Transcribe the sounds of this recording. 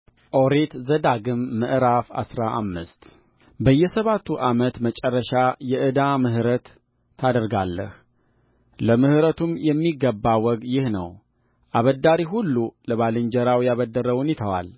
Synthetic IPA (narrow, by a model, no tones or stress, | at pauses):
ʔoɾet̪zəd̪aɡɨmːɨʔɨɾafa̰sɾaʔa̰mːɨst̪ | bəjːɛsəβat̪ʰːuʔamət̪mət͡ʃʼɛrːəʃajɛʔɨd̪amɨɦɨɾət̪ʰː | ad̪əɾɡalːə̰h | ləmɨhɨɾət̪ʰumjɛmːiɡːəbːawɔɡjɪhnə̰w | ʔaβəd̪aɾiɦulːuləβalɨɲd͡ʒəɾawjaβəd̪ːəɾəwunjɪt̪ʰəwa̰l